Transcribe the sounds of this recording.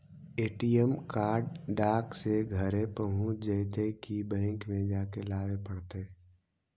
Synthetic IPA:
eːʈijəmkaːɾɖɖaːkseɡʱəɾẽpəɦʊ̃t͡ʃd͡ʒəɪt̪ekibɛ̃ːŋkmẽd͡ʒaːkelaːʋepəɽt̪e

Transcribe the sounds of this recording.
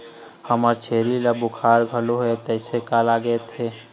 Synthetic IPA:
həməɾt͡ʃʰeɾiləbukʰaɾɡʱəloɦet̪əɪsekalaɡɛt̪ɦe

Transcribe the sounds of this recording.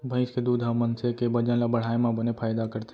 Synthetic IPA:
bʱə̃ɪ̃sked̪uːd̪ʱɦəmːənsekebəd͡ʒə̃nlabəɽ̤aːemãbənepʰaːjd̪akəɾt̪e

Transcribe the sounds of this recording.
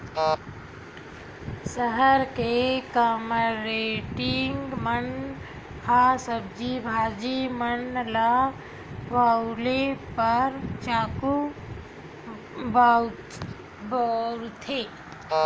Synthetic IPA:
səɦəɾkekaːmɾeʈɪŋɡmən | hasəb̚d͡ʒibʱaːd͡ʒimənla | ʋalepəɾt͡ʃaːku | ba | bɔːɾt̪ʰeː

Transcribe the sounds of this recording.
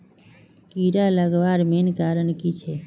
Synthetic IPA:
kiɾaləɡʋaɾmenkaːɾəɳkit͡ʃʰe

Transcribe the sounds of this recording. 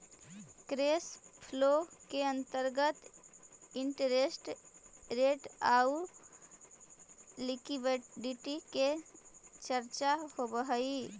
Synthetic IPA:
kɾespʰlokeənt̪əɾɡət̪ | iɳʈəɾesʈɾeʈau | likibɖiʈike | t͡ʃəɾt͡ʃahobəɦəi

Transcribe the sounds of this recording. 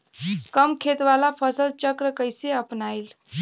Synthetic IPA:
kəmkʰet̪ʋalapʰəsəlt͡ʃəkɾəkəɪseəpnajl

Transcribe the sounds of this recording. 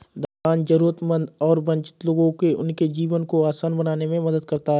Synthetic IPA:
d̪aːnzəɾuːɾət̪mə̃nd̪ɔːɾbɐ̃ɲt͡ʃɪ̥t̪loːɡõkeʊ̰nked͡ʒiːʋənkoaːsaːnbɐnaːnemẽmɐd̪əd̪̚kɐɾt̪aɦ

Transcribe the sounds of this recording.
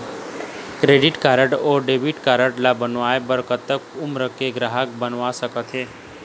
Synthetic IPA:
kɾeːɖɪʈkaːɾəʈoːɾɖebɪʈkaːɾəʈlabənʋaːebəɾkət̪ːəkʊmɾəkeɡɾaːɦək̚bənʋasəkət̪ɦeː

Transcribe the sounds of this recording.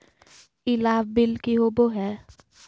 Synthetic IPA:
ilaːbbɪlkiɦoːboɦɛː

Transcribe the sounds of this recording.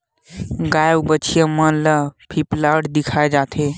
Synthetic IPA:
ɡajəwbət͡ʃʰijəmənləpʰiplaɖd̪ɪkʰaːed͡ʒat̪ʰe

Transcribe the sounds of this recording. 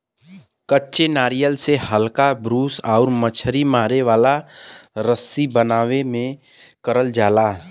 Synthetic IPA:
kətːʃenaːɾijəlsehəlkabɾuːsaːɾmət͡ʃʰəɾimaːɾeʋaːlaɾəsibənaːʋemẽ | kəɾəld͡ʒaːlaː

